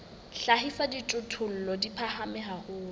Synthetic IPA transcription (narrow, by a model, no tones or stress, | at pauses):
ɬaɦifaditʼʊtʰʊl̩lɔdipʰahamɛɦaɣʊː